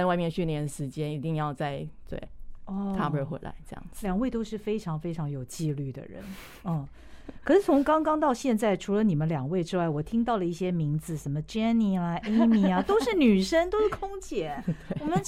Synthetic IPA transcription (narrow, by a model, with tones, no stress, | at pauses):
ɪwa˥˧ɪmjɛ˥˧nt͡ɕʰy˥˩njɛ˧˥nəʂɻ̩˧˥t͡ɕjɛ˥ni˧˥t̪i˥˧ŋjɑ˥˧ʊt͡sa˥˧ɪt̪wḛ˥˩ɪɔ˧t̪ʰa˥˧pə˥˧xwḛ˧˩ɪla̰˧˥ɪʈ͡ʂɤ˥˧jɑ̰˥˩ŋd͡z̥ljɑ˨˩ŋwe˥˩ɪt̪o˥ʊʂɻ̩˥˩fe˥ɪʈ͡ʂʰɑ˧˥ŋfe˥ɪʈ͡ʂʰɑ˧˥ŋjo˨˩ʊt͡ɕi˥˧ly˥˩d̪ə̰˩ɻə̰˧˦n | ə˥˩ | kʰɤ˨˩ʂɻ̩˥˩t͡sʰʊ˧˥ŋkɑ˥ŋkɑ˥ŋt̪ɑ˥˧ʊɕjɛ˥˧nt͡sa˥˩ɪʈ͡ʂʰu˧˥lə˧ni˨˩mə˦nljɑ˨˩ŋwe˥˩ɪʈ͡ʂɻ̩˥wa˩ɪwɔ˨˩t̪ʰi˥ŋt̪ɑ˥˩ʊlə˩i˥˩ɕjɛ˥mi˧˥ŋd͡zɹ̩˧ʂə˧˥nmə˧ʈ͡ʂɛ˥ni˥˩a˧ʔe˥ɪmi˧˩ɐ˧t̪o˥ʊʂɻ̩˥˩ny˨˩ʂə˥ŋt̪o˥ʊʂɻ̩˥˩kʰʊ˥ŋt͡ɕʰjɛ˧˥˦t̪we˥˩wɔ˨mə˦n